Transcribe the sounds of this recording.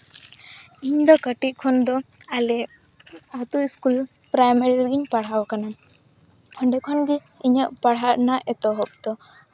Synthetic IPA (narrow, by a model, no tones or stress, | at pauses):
iɲd̪ɔkəʈiʔ̪̚ˀkʰɔnd̪ɔalɛ | at̪uiskul | pɾajmɛɾilɡiɲpaɽ̤awakana | hɔɳɖɛkʰɔnɡi | iɲəʔpaɽ̤ɦaʔnaʔɛt̪ɔɦɔp̚d̪ɔ